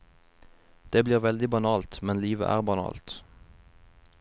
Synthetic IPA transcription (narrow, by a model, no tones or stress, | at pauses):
d̪̥eːbliːʁʋɛld̪ɪbɑnɑːlt̪mɛnliːʋə̰ʔæ̰ːʁbɑnɑ̰ːlt̪